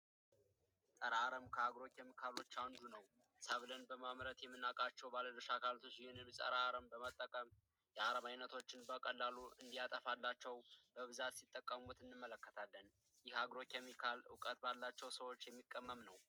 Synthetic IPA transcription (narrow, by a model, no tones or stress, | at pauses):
sʼəɾaaɾəmkʰəaɡɾo̞kʰʲemikʰalo̞t͡ʃːand̪unəw | saβlənbəmamɾət̪jɛmːɨnːakʼat͡ʃːɛwbaləd̪əʃakʰalt̪ʰo̞t͡ʃːɪhenɨlsʼə̰ɾaaɾəmbəmət̪ʼːəkʼəm | jɛaɾəmajnːət̪ʰo̞t͡ʃːɪnbəkʼəlːaluʔɨnd̪ijat̪ʼəfalːat͡ʃːɛwbəβɨzat̪sit̪ʼːəkʼːəmut̪ɨnːɨmːələkːə̥t̪ʰalːən | jɪhaɡɾo̞kʰʲemikʰalʊ̰kʼət̪balːat͡ʃːɛwsəwo̞t͡ʃːjɛmːikʼːəmːəmnəw